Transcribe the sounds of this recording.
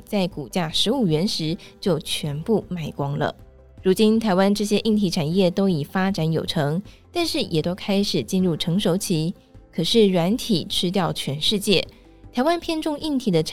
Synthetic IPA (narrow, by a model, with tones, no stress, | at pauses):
t͡sa˥˩ɪku˨˩t͡ɕja˥˩ʂɻ̩˧˥u˨˩ɥɛ˧˥nʂɻ̩˧˥t͡ɕjo˥˩ʊt͡ɕʰɥɛ˧˥npu˥˩ma˥˩ɪkwɑ˥ŋlə̰˨ | ɻu˧˥t͡ɕi˥nt̪ʰa˧˥ɪwa˥nʈ͡ʂɤ˥˩ɕjɛ˥ʔi˥˩ŋt̪ʰi˧˥ʈ͡ʂʰa˨˩njɛ˥˩t̪o˥ʊi˨˩fa˥ʈ͡ʂa˧˥njo˨˩ʊʈ͡ʂʰɤ˧˥ŋt̪a˥˧nʂɻ̩˥˩jʔɛ˨˩t̪o˥ʊkʰa˥ɪʂɻ̩˨˩t͡ɕi˥˧nɻu˥˩ʈ͡ʂʰɤ˧˥ŋʂo˧˥ʊt͡ɕʰi˧˥ | kʰɤ˨˩ʂɻ̩˥˩ɻwa˧˥nt̪ʰi˨˩ʈ͡ʂʰɻ̩˥t̪̬jɑ˥˩ʊt͡ɕʰɥɛ˧˥nʂɻ̩˥˧t͡ɕjɛ˥˩ | t̪ʰa˧˥ɪwa˥npʰjɛ˥˧nʈ͡ʂʊ˥˧ŋʔi˥˧ŋt̪ʰi˨˥˩d̪ə˦ʈ͡ʂʰ